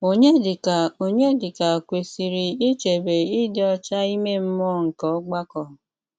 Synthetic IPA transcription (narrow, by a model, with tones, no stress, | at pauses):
o˦ɲe˦dɪ˨ka˨o˦ɲe˦dɪ˨ka˨kʷe˨si˨ɾi˨i˦t͡ʃe˨be˨i˦dɪ˦ɔ˦t͡ʃa˦i˦me˦m̩˦mɔ˦ŋ̩˨kɔ˨˦ɔ˦ɡ͡ba˦kɔ˨